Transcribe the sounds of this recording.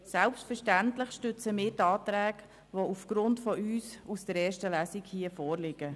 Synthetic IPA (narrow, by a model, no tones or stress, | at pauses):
sælpstfəɾʃtæntlɪχʃtʏt͡səmɪːɾtɑːt̪ɾæːk | ʋoufɡ̥ɾʊntfɔʔyːsusd̥əɾɛːɾʃtəlæsikhiəfɔːrlɪɡ̥ə